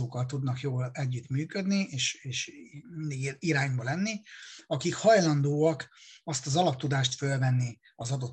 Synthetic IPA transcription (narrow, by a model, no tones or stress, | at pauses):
oːkɒlt̪ud̪nɒkjoːlɛɟːyt̪myːkø̞d̪nieːʃeːʃmind̪iɡiɾaːɲbɒlɛnːiɒkikhɒjlɒnd̪oːɒkɒst̪ɒzɒlɒp̚t̪ud̪aːʃt̪følvɛnːi | ɒzɒd̪o̞t̪